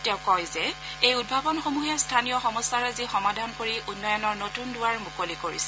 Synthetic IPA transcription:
tɛʊkɔjzɛ | ejud̚bʱabɔnxomuɦɛstʰanijɔxɔmɔsaɹazixɔmadʱankoɹiʔunːɔjɔnɔɹnotundʊwaɹmukolikoɹḭsɛ

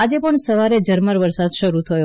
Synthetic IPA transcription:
ad͡ʒepəɳsəʋaɾed͡ʒəɾməɾʋəɾsad̪ʃəɾut̪ʰəjo

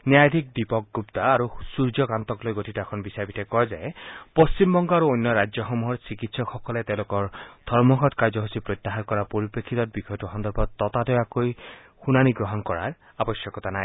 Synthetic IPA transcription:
njajd̪ʱik̚dipɔk̚ɡupt̪aːɾusuɹd͡ʒɔkant̪ɔklojɡotʰitakʰɔnbisabitɛkɔjzajpost͡ʃimbɔŋɡɔaɾuojnːɔɹad͡ʒjɔxɔmuɦɔɹsikitsɔkxɔkɔlet̪ẽlokɔɹd̪̥ʱɔɹmɔɡɔtkajd͡ʒɔɦusipɹot̪ːaɦankɔɹapoɹipekʰːit̪ɔt̚bixɔjɔtuxɔnd̪ɔɹbʱɔɔt̪adɔakoj | xunaniɡɹɔɦɔnkɔɹa̰ɹ | abɔsjɔkɔt̪anaj

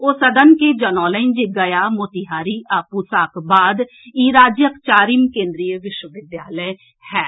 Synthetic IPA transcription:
oːsəd̪ənkeːd͡ʒənɔːləɪnd͡ʒeɡəjaːmoːt̪iɦaːɾiːʔaːpuːsaːkbaːd̪ | iːɾaːd͡ʒjəkt͡ʃaːɾiːmkẽːnd̪ɾijəʋɪʃwəʋɪd̪jaːlə | hɛː

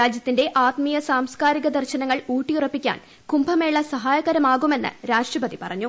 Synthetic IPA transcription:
ɾaːd͡ʑjɐt̪ːinde̞ʔaːt̪mijɐsaːmskaːɾiɣɐd̪ɐrɕɐnɐŋːɐɭuːʈːijurɐpːikʲːa̰ːn | kumbʱɐme̞ːɭːɐsɐɦaːjɐɣɐɾɐmaːɣume̞nːɨ̰ɾaːʂʈrɐpɐd̪ipɐ̰rɐɲːu

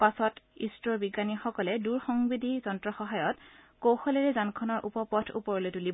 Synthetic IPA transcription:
pasɔtistɹɔɹbiɡanixɔkɔlɛduɹxɔŋbidʱizɔntɹɔxɔɦajɔt | kowxɔlɛɹɛzankʰɔnɔɹʔṵpɔpɔtʰṵpɔɹɔlojtulibɔ

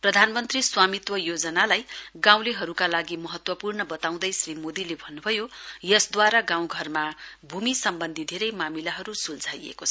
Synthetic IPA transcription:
prʌd̪ʱanmʌnt̪riswamit̪wʌjod͡zʌnalajɡãw̃leɦʌɾukalaɡimʌɦʌt̪wʌpurnʌbʌt̪aw̃d̪ʌjsrimod̪ilebʱʌnːubʱʌjojʌsd̪waɾaɡãw̃ɡʱʌrmabʱumisʌmbʌnd̪ʱid̪ʱeɾʌjmamilaɦʌɾusuld͡zʱajḛkot͡sʰ

